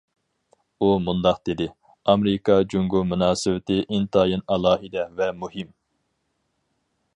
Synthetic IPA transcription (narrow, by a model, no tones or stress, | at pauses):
umund̪ɑqd̪ed̪ɪ | ɑmɾɪkɑd͡ʒuŋɡumunɑːsɨwɪt̪ɪʔint̪ʰɑːjinɑlˠɑːɦid̪ɛvɛmuɦim